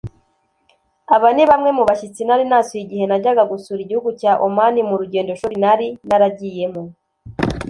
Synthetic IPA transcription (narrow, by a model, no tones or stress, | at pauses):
aβaniβamŋe̞muβaʃit͡sinaɾinasuiɟihe̞naɟaɡaɡusuɾiɟihuɡucaːʔomanimuɾuɟe̞ːndo̞ʃuɾinhaɾinaɾaɟije̞mo